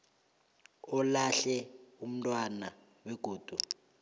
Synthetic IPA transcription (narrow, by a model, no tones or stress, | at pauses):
ɔlaɬɛum̩tʼwana | wɛɡ̥ʱoːd̥ʱu